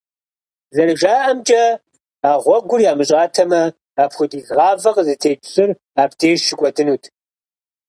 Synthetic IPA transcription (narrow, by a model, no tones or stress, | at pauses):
zɐrɨʒaːʔɐmt͡ʃʼɐ | aːʁʷɔɡʷʊrjaːmɨɕʼɑːtʰɐmɐ | aːpxʷʊdiːzʁɑːvɐqzɨtʰeːpʰɕʼɨr | aːp̚tʰeːʃɪɡʷʼɔdɨnuːtʰ